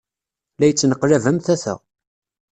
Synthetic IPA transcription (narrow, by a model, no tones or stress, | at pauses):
læjət͡sːnəqːlævəmθæθæ̰